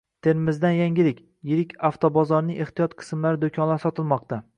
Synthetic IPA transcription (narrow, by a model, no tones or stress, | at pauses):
t̪ʰe̞ɾmɪzd̪anjaŋʲɪɾɪkʲ | jɪɾɪkʲaft̪ʰobɒzɒɾnɪŋʔeχt̪ijɒt̪qʰɨ̥smlaɾɪd̪okʲʰɒnlasɒt̪ʰɪlˠmɒq̚t̪a